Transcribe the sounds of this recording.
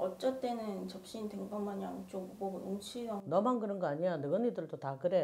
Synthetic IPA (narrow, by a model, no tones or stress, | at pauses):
ʌt͡ɕ͈ʌt͈enɯnt͡ɕʌp̚ɕ͈inteŋɡʌmːaɲaŋt͡ɕ͈oɡbojoŋt͡ɕʰianʌmankɯɾɯnɡʌaɲianɯɡɯnidɯɭd͈otakɯɾe